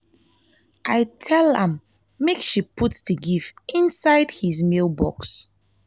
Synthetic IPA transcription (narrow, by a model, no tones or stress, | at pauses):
ʔajtʰɛlˠɛ̃mː | ekʃipʰutsdəɡifĩnsaɪdhizmilbɔ̰ks